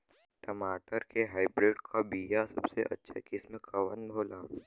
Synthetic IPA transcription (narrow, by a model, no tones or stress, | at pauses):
ʈɐmaːʈəɾkeɦaːɪbɾeːɖkʰabiːjasɐbseʔɐ̰tːʃʰḛkɪsmẽkʰɐʋənbʱoːlaː